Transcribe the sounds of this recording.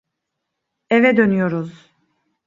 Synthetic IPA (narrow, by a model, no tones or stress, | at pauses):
evɛd̪ø̞nyjo̞ɾuz